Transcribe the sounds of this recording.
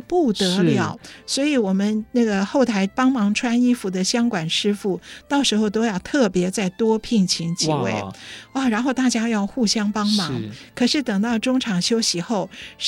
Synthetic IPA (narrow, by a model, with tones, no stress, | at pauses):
pu˥˩t̪ɤ˧˥ljɑ˨˩ʊswɔ˧˥i˧˥wɔ˨˩mə˦nna˥˩ɡə˩xo˥˩ʊt̪ʰa˧˥ɪpɑ˥ŋmɑ˧˥ŋʈ͡ʂʰwa˥ni˥fu˧˥d̪ə˧ɕjɑ˥ŋkwa˨˩nʂɻ̩˥fu˥˩t̪ɑ˥˩ʊʂɻ̩˧˥xo˥˧ʊt̪o˥ʊjɑ˥˧ʊt̪ʰɤ˥˩pjɛ˧˥t͡sa˥˩ɪt̪wɔ˥pʰi˥˩ŋt͡ɕʰi˧˥ŋt͡ɕi˧˥we˥˩ɪɔ˥˩ɻa˧˥nxo˥˧ʊt̪a˥˩t͡ɕja˥jɑ˥˧ʊxu˥˩ɕjɑ˥ŋpɑ˥ŋmɑ˧˥ŋkʰɤ˨˩ʂɻ̩˥˩t̪ɤ˨˩ŋt̪ɑ˥˩ʊʈ͡ʂʊ˥ŋʈ͡ʂʰɑ˨˩ŋɕjo˥ʊɕi˧˥xo˥˩ʊ